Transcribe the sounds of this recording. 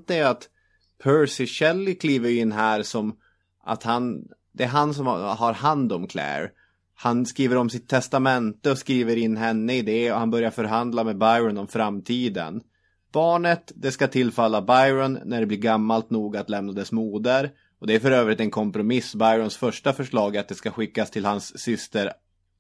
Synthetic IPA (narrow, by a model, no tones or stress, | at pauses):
t̪əæat̪ | pʰœɾsɪɕɛlːɪkʰliːvəɾjɵɪnːɦæːɾʂɔm | ʔa̰t̪han | d̪ɛæɾɦansɔmhaɾhand̪ɔmkʰlɛ̰ːɾ | hanskɾiːvəɾɔmsɪt̪ʰːɛst̪amɛnt̪əɔskɾiːvəɾɪnːɦɛnːəɪd̪ɛɔhanbœɾjaɾfœɾɦand̪lamɛbajɾɔnɔmfɾamːt̪ʰiːd̪ə̰n | b̥ɑːɳət̪d̪ɛskat̪ʰɪlːfalːabajɾɔnːæɖɛbliːɾɡamːalt̪nuːɡat̪lɛmnad̪ɛsmuːd̪əɾ | ɔd̪ɛæɾfœɾøːvɾɪt̪ɛnkʰɔmpɾʊmɪsːbajɾɔnsfœʂʈafœʂɭɑːɡat̪̚d̪ɛskaɧɪkːast̪ʰɪlhansːʏst̪əɾ